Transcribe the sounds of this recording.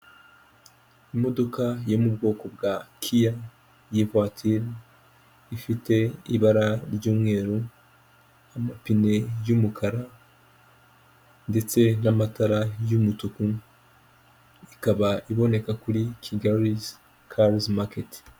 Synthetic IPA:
imo̞do̞kajo̞mubɡo̞ːko̞b̚ɡakʰija | jevatʰiɾ | ifite̞iβaɾaɾɟuːmŋe̞ːɾu | amapine̞jumukʰaɾa | nde̞t͡se̞namataɾajumutuku | ikaβaʔiβo̞ne̞kakuɾikʰiɡaɾiz | kʰaɾzmaket

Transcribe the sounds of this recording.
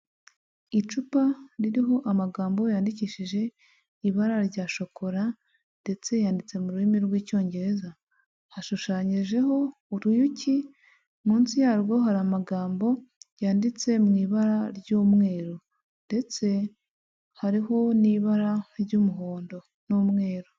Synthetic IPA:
it͡ʃupaɾiɾiɦo̞ʔamaɡaːmbo̞jaːndiciːʃiʒe̞ | iβaɾaɾɟaːʃo̞ko̞ɾa | nde̞t͡se̞jaːndit͡se̞muɾuimiɾɡwiːco̞ːɲɟe̞ɾe̞za | haʃuʃaːɲiʒe̞ho̞ | uɾujuci | muːnsijaːɾɡo̞ɦaɾamaɡaːmbo̞jaːndit͡se̞mŋiːβaɾaɾjɟoːmŋe̞ːɾo | nde̞t͡se̞ | haɾiɦo̞niβaɾaɾɟuːmuɦo̞ːndo̞ | numŋe̞ːɾo

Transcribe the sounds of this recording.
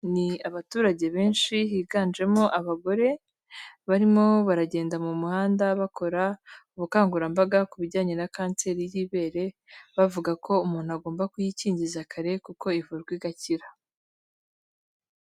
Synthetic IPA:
niaβatuːɾaɟe̞βe̞ːnʃiɦiːɡaːnd͡ʒe̞mo̞ʔaβaɡo̞ɾe̞ | βaɾimo̞βaɾaɟe̞ːndamumuhaːndaβakʰo̞ɾauβukaːŋɡuɾambaɡakuβiɾɟaːɲe̞nakaːnt͡se̞ːɾijiβe̞ːɾe̞βavuɡakʰo̞umuːn̥uaɡoːmbakujiciːɲɟizakʰaɾe̞kuko̞ivuɾɡwiɡaciɾa

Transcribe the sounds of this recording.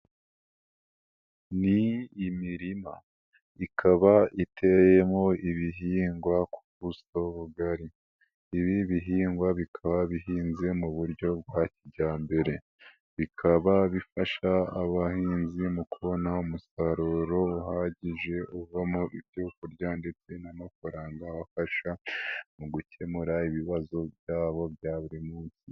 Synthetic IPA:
niːmiɾima | ikʰaβaʔitʰe̞je̞mo̞iβiɦiːŋɡwaku̥βusoβuɡaɾiː | βiβiɦiːŋɡwaβikʰaβaβiɦiːnze̞muβuɾɟo̞bɡwaciɟaːmbe̞ɾe̞ | βikʰaβaβifaʃaaβahiːnzimukuβo̞naumusaɾoɾo̞uɦaːɟiʒe̞uvamoʔiɾjuːkuɾjande̞t͡se̞namafaɾaːŋɡaβafaʃamuɡuce̞muɾaiβiβazo̞bjaːβo̞βjaːβuɾimuːnsi

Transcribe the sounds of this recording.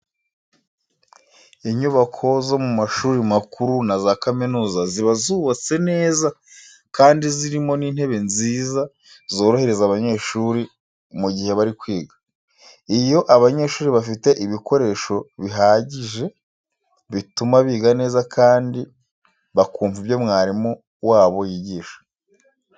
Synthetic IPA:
iɲuβakʰo̞zo̞mumaʃuːɾimakuɾunazakaminuːzaziβazuβat͡se̞ne̞ːza | kaːndiziɾimo̞niːn̥he̞βe̞nziːza | zo̞ːɾohe̞ɾe̞zaβaɲe̞ːʃuːɾi | muɟihe̞βaɾikwiːɡḁ | ijo̞ʔaβaɲe̞ːʃuːɾiβafite̞ʔiβiko̞ɾe̞ːʃo̞βiɦaːɟiʒe̞ | βitumaβiːɡane̞ːzakʰaːndi | βakuːɱvibjo̞mŋaːɾimo | waːβo̞jiɟiːʃḁ

